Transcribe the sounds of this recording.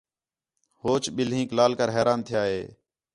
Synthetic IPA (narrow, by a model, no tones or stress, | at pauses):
hoːt͡ʃɓɪlɦĩːklaːlkəɾɦɛːɾaːnt̪ʰɪjaːɦeː